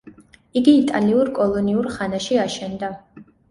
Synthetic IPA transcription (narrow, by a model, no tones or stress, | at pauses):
iɡiːt̪ʼaliuɾkʼɔlˠɔniuɾχanaʃiaʃɛnd̪a